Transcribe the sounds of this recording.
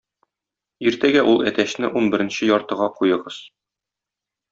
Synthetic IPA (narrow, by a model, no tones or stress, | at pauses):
iɾt̪æɡæʔulˠæt̪æɕnɘʔunbɘ̆ɾɘ̆nɕɘjɒɾt̪ɤ̆ʁɑqujɤ̆ʁɤz̥